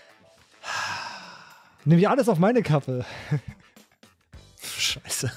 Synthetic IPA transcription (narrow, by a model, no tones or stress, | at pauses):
ha | nɪːmɪçʔaləsaʊfmaɪnəkʰafə | ʃaɪsə